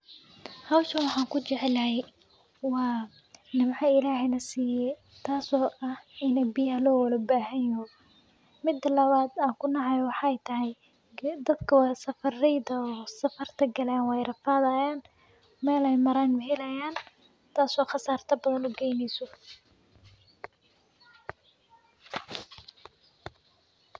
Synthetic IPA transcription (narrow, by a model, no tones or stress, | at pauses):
hɐwʃɐnwɑħɑːŋkʰʊt͡ʃɛʕɛlɐɦɛj | wɑː | nɪmħɑɪlaːhɛjnɐsiːjɛj | t̪ʰaːsɔːʔɐhɪnɛbɪjɐlɔːwɐlɐbaːɦɐjɔ | mɪd̪ːɐlɐβaːd̪aːŋkʰʊnɑʕɑjɔwɑħɑjt̪ʰɐɦɛj | d̪ɐd̪kʰɐwsɐfɐrɛjd̪ɐɔːsɐfɐrt̪ʰɐɡɐlɛːnwɛjrɐfaːðaːjaːn | mɛːlɛjmɐɾaːnmɐɦɛlɐjaːn | t̪ʰaːsɔːχɑsaːrt̪ʰɐbɐðɐnʊɡɛjnɛjsɔ